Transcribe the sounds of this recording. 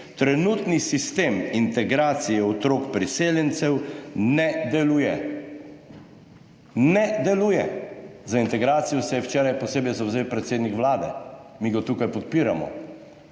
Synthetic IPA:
t̪ɾɛnuːt̪nisist̪eːmint̪ɛɡɾaːt̪sijɛɔt̪ɾoːkpɾiseːljɛnt̪sɛwnɛd̪ɛlujɛ | nɛd̪ɛluːjɛ̰zaint̪ɛɡɾaːt̪sijɔsɛjɛwt͡ʃɛːɾajpɔseːbɛjzawzeːwpɾɛt̪seːd̪nikʋlaːd̪ɛ̰miɡat̪uːkajpɔt̪̚piːɾa̰mɔ̰

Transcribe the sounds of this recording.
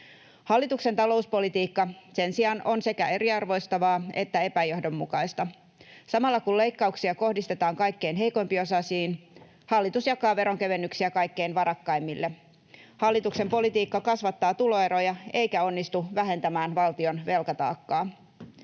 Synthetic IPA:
hɑlːit̪ukse̞nt̪ɑlo̞uspo̞lit̪iːkːɑse̞nsiɑno̞nse̞kæe̞ɾiɑrʋo̞ist̪ɑʋɑːe̞t̪ːæe̞pæjo̞hdo̞mːṵkɑjst̪ɑ | sɑmɑlːɑkule̞jkːɑuksiɑko̞hdist̪e̞t̪ɑːŋkɑjkːe̞inɦe̞jko̞jmpiosɑsiːn | hɑlːit̪usjɑkɑːʋe̞ɾo̞ŋke̞ʋe̞nːyksiækɑjkːe̞inʋɑɾɑkːɑjmːilːe | hɑlːit̪ukse̞mpo̞lit̪iːkːɑkɑsʋɑt̪ːɑːt̪ulo̞e̞ɾojɑe̞jkæo̞nːist̪uʋæɦe̞nt̪æmæːnʋɑlt̪io̞nʋe̞lkɑt̪ɑ̰ːkːɑː

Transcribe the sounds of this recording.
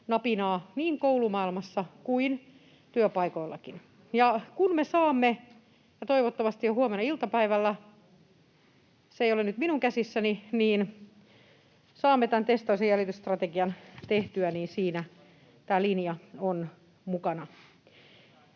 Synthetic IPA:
nɑpinɑːniːŋkoulumɑilmɑsːɑkuin | t̪yøpɑikoilːɑ̰kin | jɑkunmesɑːmːe | jɑt̪oiʋot̪ːɑmɑst̪ijjohuomenɑilt̪ɑpæiʋælːæ | seijolenyt̪minuŋkæsisːæniniːn | sɑːmːet̪ænt̪est̪oisejjælit̪yst̪rɑt̪eɡiɑnt̪eht̪yæniːnsiːnæ | t̪æːlinjɑon | mukɑnɑ

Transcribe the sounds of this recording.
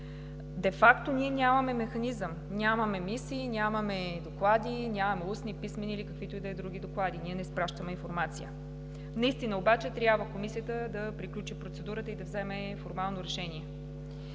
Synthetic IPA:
d̪ɛfakt̪oniɛnʲjamɐmɛmɛxɐnizəm | nʲamɐmɛmisiːnʲjamɐmɛd̪oklˠad̪inʲamɐmɛusnipismɛniːlikəkvit̪oid̪ɐɛd̪ɾuɡ̟ʲid̪oklˠad̪iniɛnɛspɾaʃt̪əmɛinfoɾmat̪sijə̰ | nɐist̪inəobat͡ʃɛt̪ɾʲjabvəkomisijət̪əd̪ɐpɾiklʲut͡ʃipɾot̪sɛd̪uɾət̪əid̪ɐvzɛmɛ | foɾmalˠnoɾɛʃɛniɛ

